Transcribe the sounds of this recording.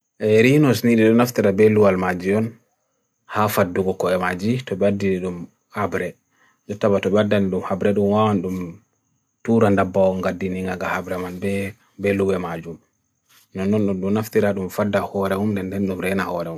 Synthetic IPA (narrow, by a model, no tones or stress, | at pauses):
ʔɛɾinɔsniɗiɗɔnaftiɾabɛlːuwalmad͡ʒiɔn | hafadːuɡɔkɔɛmad͡ʒitɔɓɛadːiniɗum | habɾɛ | d͡ʒɔtːabatɔɓɛadːaniɗumhabɾɛɗumwawanɗum | tuɾandabːawɔŋɡadːiniŋɡaɡahabɾɛmanbɛ | bɛlːuwɛmad͡ʒum | nɔnːɔnɗɔnɗunaftiɾaɗumfadːahɔɾɛhumndɛndɛnɗumɾɛnahɔɾɛhum